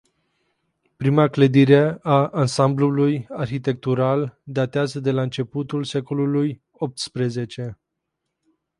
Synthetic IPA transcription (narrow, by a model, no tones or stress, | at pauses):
pɾimakləd̪iɾe̞aansamblulujarçit̪e̞k̚t̪uɾald̪at̪eazəd̪e̞laɨnt͡ʃe̞put̪ulse̞ko̞luluj | o̞p̚t̪spɾe̞ze̞t͡ʃe̞